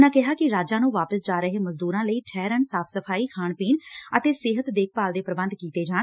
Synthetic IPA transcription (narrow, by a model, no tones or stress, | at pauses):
nãːkɪɦaːkɪɾaːd͡ʒãːnũːʋaːpəsd͡ʒaːɾəɦeːməzd̪uːɾãːləiːʈʰɛːɾəɳsaːpʰsəpʰaːiːkʰaːɳpiːnət̪eːsɪɦət̪d̪eːkʰpaːld̪eːpɾəbə̃nd̪kiːt̪eːd͡ʒaːn